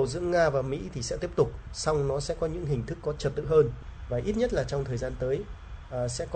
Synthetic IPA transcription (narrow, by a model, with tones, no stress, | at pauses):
zɨ̰˧˥əŋaː˧vaː˨˩mḭ˧˥t̪ʰi˨˩sɛ̰˧˥t̪i˦˥əp̚t̪ʊ˨˩k͡p̚sa˧wŋ͡mnɔ˨˦sɛ̰˧˥kɔ˨˦ɲɨ̰˧˥ŋɦï˨˩ŋ̟t̪ʰɨ˦˥kːɔ˨˦t͡ɕə˨˩t̚t̪ɨ̰˧˨ɦəː˧nvaː˨˩ʔi˦˥t̚ɲə˦˥t̚laː˨˩t͡ɕɔ˧wŋ͡mt̪ʰəː˨˩jzaː˧nt̪əː˨˦j | ʔsɛ̰˧˥k